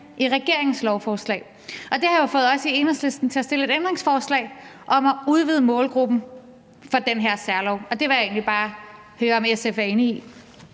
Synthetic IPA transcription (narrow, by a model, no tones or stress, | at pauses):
ʔiʁɛɡ̥e̝ɐe̝ŋ̩slɒʊfɒːslɛ̰ːɪ | ʔɒ̽d̥e̝hɑjofɔ̽ːð̞̩ˠɒ̽sie̝nəsle̝sd̥n̩t͡sʰe̝æsd̥e̝ləe̝ɾ̥end̥ʁeŋsfɒːslɛ̰ɪ | ʔɒ̽mɒuð̞ˠʋiðˠəmɔ̽ːlɡ̥ʁub̥n̩ | fɒ̽d̥enɦeɐ̰sæɐlɒʊ̰ɒ̽d̥e̝ʋɑje̝̰ːnlib̥ɑ̈ː | høːɐɒ̽mesefæɐe̝ːnəi